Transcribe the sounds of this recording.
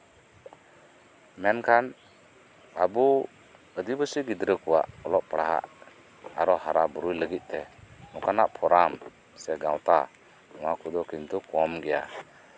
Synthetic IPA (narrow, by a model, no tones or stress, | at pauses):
mɛnkʰan | abu | əd̪ibəsiɡid̪ɾəkuwa̰ʔɔlɔʔpaɽaɦa̰ʔ | aɾɔhaɾabəɾujləɡit̪̚ˀt̪ɛnɔkanaʔpʰɔɾam | sɛɡawt̪a | ɔwakud̪ɔkint̪ɔkɔmɡɛja̰